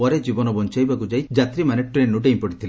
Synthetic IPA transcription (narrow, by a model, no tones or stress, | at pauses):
ɔɾed͡ʒibɔnɔbɔnt͡ʃajbakud͡ʒajd͡ʒat̪ɾimaneʈɔɾenuʈeimpɔʈi̥t̪ʰile